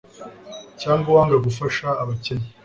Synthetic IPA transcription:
caːŋɡawaːŋɡaɡufaʃaːβaceɲi

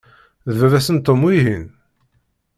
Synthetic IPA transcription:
ðvəðæsənt̪ːomiɦin

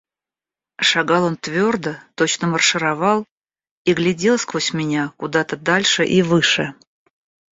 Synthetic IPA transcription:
ʂaɡɑlˠont̪vʲo̞rd̪ət̪ot͡ɕnəmərʂɨɾavɑlˠ | iɡlʲɪdʲe̞lˠskvosʲmʲɪnʲakʊd̪at̪əd̪alʲʂɨʔivɨʂɨ

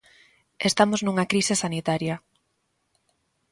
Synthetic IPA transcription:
est̪amoznuŋakɾisɪsanit̪aɾjɐ

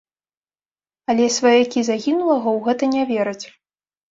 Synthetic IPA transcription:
ɐlʲɛsvɐjakʲizaɣʲinulˠɐɣɐwɣɛt̪ɐnʲavʲɛɾɐt͡sʲ

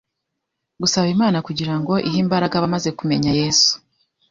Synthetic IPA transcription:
ɡusaβimaːnakuɟiɾaŋɡo̞ʔiɦimbaɾaɡaβamaze̞kume̞ɲaje̞ːsu̥

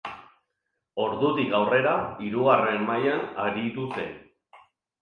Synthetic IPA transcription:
o̞ɾðut̪ikawre̞ɾaiɾuɣare̞mmajanaɾit̪ust̪e̞̰n

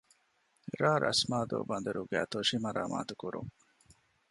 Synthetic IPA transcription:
ɾaːɾʔɐ̰smaːd̪o̰ːbɐnd̪ɐɾuɡæːt̪oʂimɐɾaːma̰ːt̪ukuɾṵŋ

